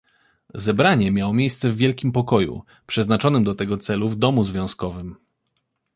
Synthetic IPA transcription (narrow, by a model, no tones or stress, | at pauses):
zɛbɾaɲɛmʲjawmʲjejst̪sɛvːʲjɛlkʲimpɔkɔjṵ | pʂɛznat͡ʂɔnɘmd̪ɔt̪ɛɡɔt̪sɛluvd̪ɔmuzvʲjɔ̃w̃skɔvɘm